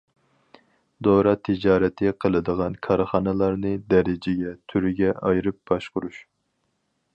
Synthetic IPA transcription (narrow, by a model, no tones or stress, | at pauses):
d̪oɾɑt̪ʰɪd͡ʒɑːɾɛt̪ʰɨqʰəlˠɨd̪əʁɑnkʰɑɾχɑnɨlˠɑɾnɨd̪ɛɾɪd͡ʒɪɡʲɛt̪ʰyɾɪɡʲɛʔɑjɾɨp̚b̥ɑʃqʊɾuʃ